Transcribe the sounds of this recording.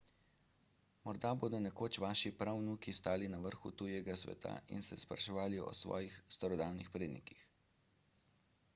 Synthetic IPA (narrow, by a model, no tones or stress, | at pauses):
mɔɾd̪aboːd̪ɔnɛkoːt͡ʃʋaːʃipɾawnukist̪aːlinaʋəɾxṵt̪ujɛɡasʋɛ̰t̪ʰa̰ʔḭnsɛspɾa̰ʃɔʋaːliɔ̰sʋɔ̰ːjixst̪aɾɔd̪aːwnixpɾeːd̪nikix